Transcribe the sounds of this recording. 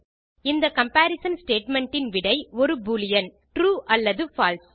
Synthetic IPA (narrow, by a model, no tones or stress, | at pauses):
ɪnd̪ɐkɐmpaːɾɪsɐnsʈeːʈmɛɳʈɪnʋɪɽɐɪɔɾɯbuːlɪjɐn | ʈɾuːʔɐlːɐðɯfaːls